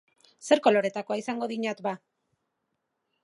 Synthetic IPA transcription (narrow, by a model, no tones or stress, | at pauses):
se̞ɾko̞lo̞ɾe̞t̪ako̞aisaŋɡo̞ðiɲat̪ba